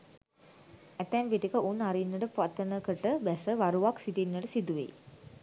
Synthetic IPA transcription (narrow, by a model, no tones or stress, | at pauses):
æt̪ɛnʋiʈikəʔunaɾinːəʈəpat̪ːənəkəʈəbɛsəʋaɾuʋaksiʈinːəʈəsid̪uʋḛj